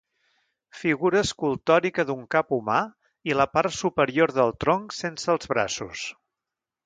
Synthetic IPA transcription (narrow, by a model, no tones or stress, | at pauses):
fiɣuɾəːskulˠt̪ɔɾikəðuŋkapuma | iləpart̪supəɾioɾðəlˠt̪ɾoŋsensəːlˠzβɾa̰sṵs